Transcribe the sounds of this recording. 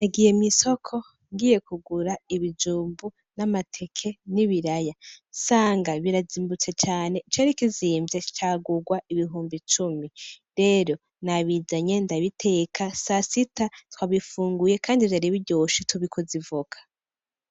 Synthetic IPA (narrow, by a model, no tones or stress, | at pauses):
naɡijemiso̞kʰo̞ | ŋɡiːje̞kuɡuɾaiβid͡ʒuːmbu | namatʰe̞kʰe̞niβiɾajasaːŋɡaβiɾaziːmbut͡se̞t͡ʃaːne̞it͡ʃeɾikiziːmvjet͡ʃaːɡuɡwaʔiβiɦuːmbit͡ʃumiɾe̞ːɾo̞ | naβizaɲe̞ndaβitʰe̞kʰasasitatwaβifuːŋɡujekʰaːndivjaɾiβiɟoːʃituβikʰuzivukʰḁ